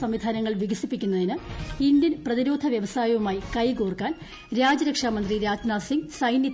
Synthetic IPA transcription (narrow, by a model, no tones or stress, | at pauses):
sɐmʋid̪ʱaːnɐŋːɐɭʋiɡɐsipːikʲːunːɐðinɨindjɐnprɐðiɾo̞ːd̪ʱɐʋjɐʋɐsaːjɐʋumaːjikɐjkoːrkːaːn | ɾaːd͡ʑɐɾɐkʂaːmɐnd̪riɾaːd͡ʑnaːsiŋɡsɐjnjɐ